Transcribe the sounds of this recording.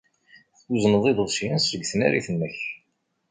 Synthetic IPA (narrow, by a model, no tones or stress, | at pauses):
θuznəðˤid̪əðˤʃjænsɾəɡθənæ̰ɾiθənːəç